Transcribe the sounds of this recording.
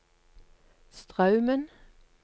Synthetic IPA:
st̪ʁɑʉmən

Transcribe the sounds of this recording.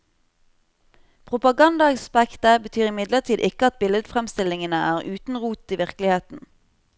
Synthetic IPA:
pʰʁʊpɑɡɑnd̪ɑɛkspækt̪əbət̪ʰyːʁɪmɪd̪ləʁt̪ʰiːd̪ʔɪkəɑt̪̚bɪləd̪fʁɛmst̪ɪlɪŋənəʔæːʁʔʉːt̪n̩ʁuːt̪iːʋɪʁklɪheːt̪n̩

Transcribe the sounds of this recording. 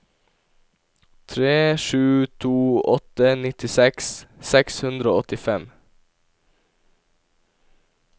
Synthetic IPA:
t̪ʰɾeːʃʉːt̪ʰuːɔt̪ənɪt̪ɪsɛkssɛkshʉnd̪ɾəoːɔt̪ɪfɛm

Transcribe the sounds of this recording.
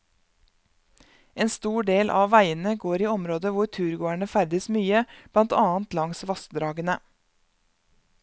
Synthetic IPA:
eːnst̪uːɖeːlʔɑ̰ːʋæɪənəɡoːɾiːɔmɾoːd̪əʋʊɾt̪ʰʉːɾɡoːæɳəfæɾd̪əsmyːəb̥lɑnt̪ʰɑːnt̪lɑŋsʋɑst̪d̪ɾɑːɡənə

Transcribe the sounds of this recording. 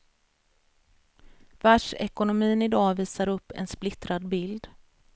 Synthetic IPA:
væʂɛkʊnʊmiːnɪd̪ɑːviːsaɾɵpːɛ̰nsplɪt̪ɾad̪bɪld̪

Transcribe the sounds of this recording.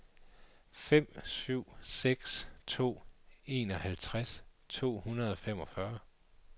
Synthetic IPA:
fem̰syʊ̰seɡ̥st͡sʰo̝̰ːe̝̰ːnɒ̽hælt͡sʰʁast͡sʰo̝̰ːhunɐð̞ˠɒ̽fem̰ɒ̽fɶɐ

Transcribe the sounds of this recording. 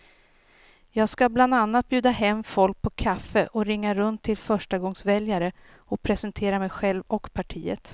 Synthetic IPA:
jɑːɡskabland̪anːat̪̚bjʉ̟ːd̪aɦɛmːfɔlk̚pʰɔkʰafəʔɔɾɪŋːaɾɵnt̪ʰːɪlfœʂʈaɡɔŋsvɛljaɾə | ɔpʰɾɛsɛnt̪ʰeːɾamɛjɧɛlvɔkpʰaʈʰiːə̰t̪

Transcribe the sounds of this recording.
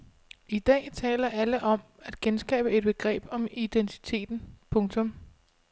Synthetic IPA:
id̥ɛ̰ːt͡sʰɛ̰ːlɐʔæləʔɒ̽m | æd̥kʰensɡ̥ɛ̰ːb̥əe̝d̥̚b̥e̝ɡ̥ʁɛ̰ːb̥ɒ̽mid̥ent͡sʰi̥t͡sʰe̝̰ːd̥n̩pʰɔ̽ŋt͡sʰɔ̽m

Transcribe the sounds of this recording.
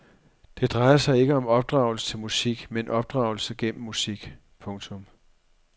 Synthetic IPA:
d̥e̝d̥ʁɑ̈ɪɐsɑ̈ɪe̝ɡ̥əɒ̽mɒ̽b̥̚d̥ʁɑ̈ʊl̩sə̥t͡sʰe̝lmusiɡ̥menʔɒ̽b̥̚d̥ʁɑ̈ʊl̩səɡ̥en̰m̩ːusiɡ̥ | pʰɔ̽ŋt͡sʰɔ̽m

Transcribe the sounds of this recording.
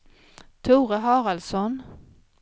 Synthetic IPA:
t̪ʰuːʁəɦɑːʁɑlsɔn

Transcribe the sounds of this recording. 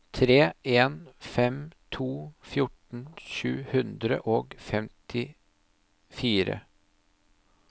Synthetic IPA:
t̪ʰɾeːeːnfɛmt̪ʰuːfjʊʈɳ̩ʃʉːhʉnd̪ɾə̰ʔoːɡfɛmt̪ʰɪ | fiːɾə̰

